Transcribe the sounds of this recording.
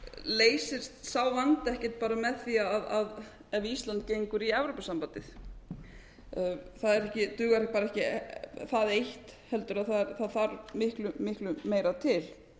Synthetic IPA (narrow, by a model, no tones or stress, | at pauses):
leːjsɪst̪saːwvant̪ɛhcɛ̥t̪̚paːɾamɛðθiaaðað | ɛvist̪lant̪̚cejŋkʏɾiɛvɾowpasampant̪ɪθ | θaðɛɾɛhcɪt̪ʏːɣaɾpaːɾaɛhcɪθaðejht̪hɛl̪t̪ʏɾaðθaðɾθaðθaɾmɪhklʏmɪhklʏmeːjɾat̪ʰɪl̥